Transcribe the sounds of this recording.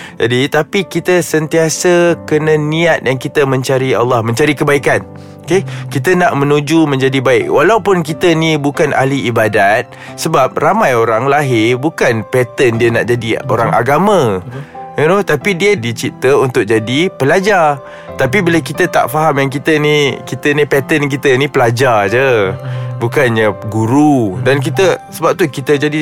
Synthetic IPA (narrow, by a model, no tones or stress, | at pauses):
d͡ʒadit̪apikit̪əsənt̪iasəkənə̃nĩat̪̚jaŋkit̪əmə̃ɲt͡ʃaɾia̰lːɑhmə̃ɲt͡ʃaɾikəbaikan | okekit̪ənaʔmə̃nud͡ʒumə̃ɲd͡ʒadibaɪk̚walawpʊnkit̪ənibukana̰liibadat̪̚ | səbap̚ramãjoɾaŋlaɦɪbukanpɛt̪əndiənaʔd͡ʒadio̰ɾaŋʔa̰ɡamə̃ | not̪apidiədit͡ʃit̪əunt̪ʊk̚d͡ʒadipəlad͡ʒa | t̪apibilakit̪ət̪a̰ʔfaɦamjaŋk̬it̪ənikit̪ənipɛt̪ənk̬it̪ənipəlad͡ʒard͡ʒə | bukanɲəɡuɾudank̬it̪əsəbap̚t̪ukit̪əd͡ʒadi